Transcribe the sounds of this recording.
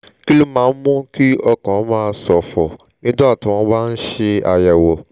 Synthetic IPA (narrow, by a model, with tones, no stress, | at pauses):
ki˦lu˦mãː˨˦mʊ̃˦ki˦ɔ˦kɔ̃˨˦mãː˦sɔ˨fɔ˨ | nĩ˦dʊ̃˦a˦˨tʊ̃˨w̃ɔ̃˦ba˦n̩˦ʃe˧a˨jɛ˨wo˨